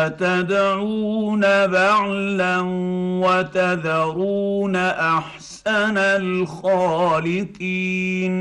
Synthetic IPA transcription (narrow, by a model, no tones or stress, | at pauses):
at̪ad̪ʕuːnabaʕlanwat̪ad̪aɾuːnaʔaħsanalxaːlɪqiːn